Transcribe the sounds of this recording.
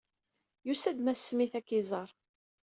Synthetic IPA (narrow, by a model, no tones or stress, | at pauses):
jusæd̪mæsːmiθækːizˤəɾˤ